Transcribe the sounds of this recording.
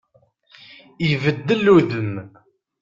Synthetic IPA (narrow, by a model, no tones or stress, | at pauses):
jvəd̪ːəlːuðəm